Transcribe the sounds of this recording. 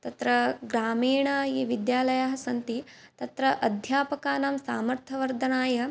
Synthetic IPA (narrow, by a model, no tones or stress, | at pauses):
t̪ɐt̪ɾɐɡɾaːmiːɳɐiːʋid̪jaːlɐjaːɦɐsɐnt̪i | t̪ɐt̪ɾɐʔɐd̪ʱjaːpɐkaːnaːmsaːmɐɾt̪ʰɐʋɐɾd̪ʱɐnaːjɐ